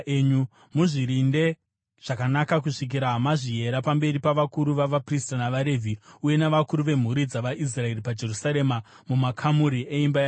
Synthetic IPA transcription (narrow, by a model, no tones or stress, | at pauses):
eɲu | muʐiɾinde̞ | ʐ̥akanakakuʂik̬iɾaɦamaʐiɦe̞ɾapambe̞ɾipaʋakuɾuʋaʋapristanaʋaɾe̞vʱiuje̞naʋakuɾuʋe̞m̤uɾid͡zaʋaʔis̬rae̞ripad͡ʒe̞rusaɾe̞ma | mumakʰamuɾiʔeimbaja